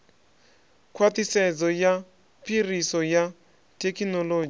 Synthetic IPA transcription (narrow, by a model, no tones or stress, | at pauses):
kʰwat̪isɛd͡zɔja | pʰʼirisɔja | tekinɔloːd͡ʒ